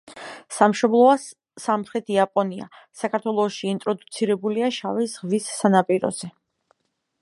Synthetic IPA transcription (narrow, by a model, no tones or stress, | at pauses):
samʃɔblˠɔaː | amχɾɛt̪ʰiapʼɔnia̰sakʰaɾt̪ʰwɛlˠɔʃiːnt̪ʼɾɔd̪ut̪sʰiɾɛbuliaʃavisʁvisːanapʼiɾɔ̰z̥ɛ